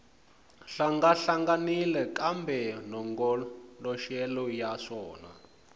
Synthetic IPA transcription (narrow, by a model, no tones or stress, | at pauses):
ɬaŋɡaɬaŋɡanilɛkambɛnɔŋɡɔlɔʃɛlɔjaʂɔːna̰